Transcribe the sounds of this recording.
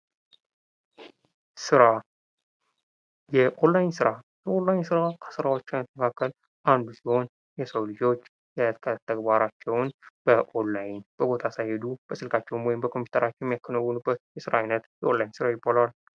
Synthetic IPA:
sɨɾa | jɛʔolːajɪnsɨɾa | jɛʔolːajɪnsɨɾakʰə̥sɨɾawo̞t͡ʃːamət̪ːəməkʰakːəl | ʔand̪usiho̞n | jɛsəwlɨd͡ʒo̞t͡ʃː | jɛkʰət̪ʰːəɡbaɾat͡ʃːɛwnb̥əʔonːajɪnb̥əbo̞t̪ʰasajhed̪ub̥əsɨlkʰat͡ʃːɛwunwɔjɪmbəkʰo̞mpʰu̥t̪ʰəɾat͡ʃːɛwjɛmːjakʰːənəwːənubːət̪̚jɛsɨɾaajnət̪jɛʔo̞nlajɪnsɨɾajɪbːalal

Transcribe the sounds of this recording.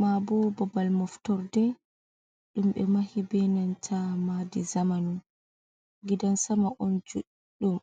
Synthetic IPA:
mabɔbɔbalmɔftɔɾdɛ | ɗumɓɛ̰mahibɛnantʰamadizamanum | ɡidansamaʔɔnd͡ʒuɗiɗɔm

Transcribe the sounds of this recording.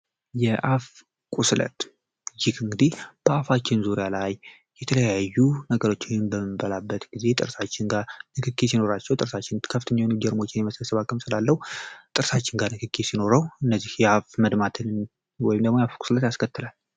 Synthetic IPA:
jɛʔaf | kʼuslə̰t̪ | jɪkɨŋɡɨd̪ihb̥əafat͡ʃːɪnzuɾjalaj | jɛt̪ʰələjajːunəɡəɾo̞t͡ʃːɪɲɪnbəmɨbəlabːət̪ɡize̞t̪ʼɨɾsat͡ʃːɪnɡanɨkʰɨkːesino̞ɾat͡ʃːɛwt̪ʼɨɾsat͡ʃːɪnkʰəfɨt̪ʰəɲːawnud͡ʒɛɾmo̞t͡ʃːɪnjɛməsəsəβakʼɨmsɨlalːəhut̪ʼɨɾsat͡ʃːɪnɡanɨkʰɨkʰːesino̞ɾəwɨnːəzːihjɛafməd̪mat̪ʰɨn | wɔjɪmd̪əɡmojafkʼu̥slət̪jaskʰət̪ːɨlal

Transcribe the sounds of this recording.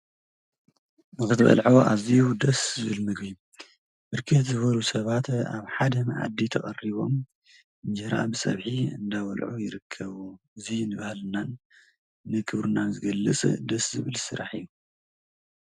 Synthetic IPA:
nɨxɨt̪ʰβɐ̰lʕoʔaziud̪ɐszɨβɨlmɨɡbi | bɨɾkʰɨt̪zɨβɐlusɐβat̪a̰βħad̪ɐmʕa̰d̪ːit̪ʰɐkʼɐriβo̞m | ɨnd͡ʒɐɾa̰bɨsʼɐ̰βħiɨ̰nd̪awɐ̰lʕujɪɾɨkʰːɐβu | ɨzinɨβahlɨnan | nɨkʰɨβɾɨnazɨɡɐlːɨt͡sʼd̪ɐszɨβɨlsɨɾaħijːu

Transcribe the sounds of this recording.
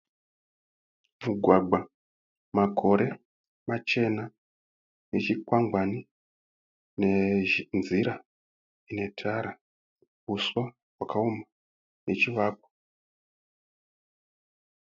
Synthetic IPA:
muɡʱwaɡ͡ba | makʰo̞ɾe̞ | mat͡ʃe̞na | net͡ʃikwaŋɡwani | neʒnziɾa | ine̞tʰaɾa | uswa | wakauma | net͡ʃiʋak̚o̥

